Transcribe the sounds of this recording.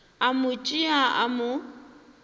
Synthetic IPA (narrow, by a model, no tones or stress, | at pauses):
amʊt͡ʃʼɪaʔa̰mʊ